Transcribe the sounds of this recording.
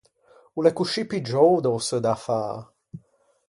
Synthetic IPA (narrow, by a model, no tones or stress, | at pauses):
ulɛkuʃipid͡ʒowd̪owsəd̪afa̰ː